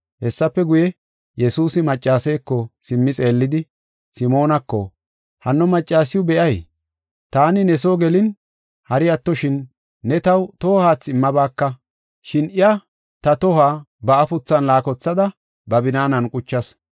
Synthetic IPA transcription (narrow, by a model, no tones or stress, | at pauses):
hɛsːɐpːɛɡʊjɛ | jɛsuːsɪmɐt͡ʃʼːaːsɛjkːɔsɪmːɪt͡sʼe̞ːlːɪd̪ɪ | sɪmo̞ːnɐkːɔ̰ | hɐnːɔmɐt͡ʃʼːaːsɪjʊbɛʔɐj | t̪aːnɪnɛsoːɡɛlɪn | hɐɾɪɐt̪ːɔʃɪnː | ɛt̪ɐwt̪ɔːhaːt͡sːɪmːɐbaːkːɐ | ʃɪnʔɪjɐ | t̪ɐt̪ɔhaː | bɐʔɐfʊt͡sːɐnlaːkɔt͡sːɐd̪ɐ | bɐbɪnaːnɐnkʼʊt͡ʃːɐs